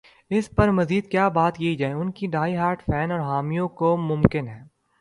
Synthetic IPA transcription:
ɪspɐɾmɐziːd̪̚kjaːbaːt̪kiid͡ʒaːeʊnkiɖaːiɦaːɾʈfʰɛːnɔːɾɦaːmijõkomʊ̃mkɪnɦɛ̃ː

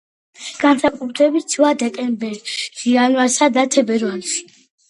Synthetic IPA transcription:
ɡ̥ansakʼut̪ʰɾɛbit̪sʰvad̪ɛkʼɛmbɛɾɾianvaɾsad̪at̪ʰɛbɛɾvalʃi̥

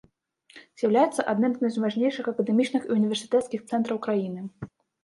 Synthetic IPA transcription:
z̥ʲjawlʲajɛt̪sːɐʔad̪nɨmznɨmzvaʐnʲejʂɨxɐkɐd̪ɛmʲit͡ʃnɨxiunʲivʲɛrsʲɨ̥t̪ɛt̪skʲixt̪sɛnt̪ɾɐwkɾajinɨ

